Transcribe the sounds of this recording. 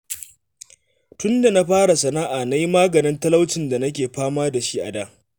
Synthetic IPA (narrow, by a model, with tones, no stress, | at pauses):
tʊ˦nda˨na˦ɸaː˦ɽa˨sɐ˨naː˦ʔa˨na˦ji˦maː˦ɡɐ˨nɪ˦ntɐ˦lɐ˦wt͡ʃɪ˨nda˨nɐ˦k̬ʲeː˨ɸaː˦maː˦da˨ʃi˦ʔa̰˨daː˦